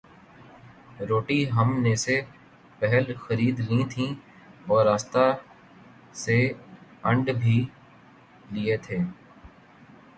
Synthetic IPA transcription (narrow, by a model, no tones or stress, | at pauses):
ɾoːʈiɦəmnese | pɛɦəlxəɾiːd̪lĩt̪ʰĩ | ɔːɾaːst̪a | seə̃ɳɖbʱiː | liet̪ʰeː